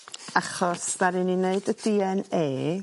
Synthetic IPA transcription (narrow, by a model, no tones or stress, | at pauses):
aχɔsdaɾɨnineɨdədiːɛneː